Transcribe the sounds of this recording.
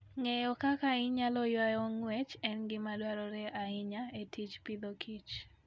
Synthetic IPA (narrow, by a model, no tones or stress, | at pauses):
ŋɛjɔkakaɪɲalɔjwajɔŋwɛt͡ʃɛnɡɪmadwaɾɔɾɛʔaɪɲaetʰit͡ʃpɪd̪okʰit͡ʃ